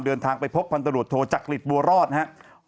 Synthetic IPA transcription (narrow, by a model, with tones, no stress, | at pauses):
ndɤː˧nt̪ʰaː˧ŋpa˧jpʰo˦˥pʰːa˧nt̪ʰa˧ɾu˨˩ət̪ʰːoː˧t͡ɕaː˨˩k̚li˨˩t̪̚bu˧ɐɾɔː˥˩t̪̚nɦa˦˥ʔ